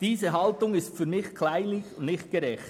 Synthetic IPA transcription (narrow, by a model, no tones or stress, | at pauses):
d̥iːzəɦɑltʊŋɪstfyːɾmɪxkʰlaɪlɪçnɪçt̚ɡ̥ɛɾɛxt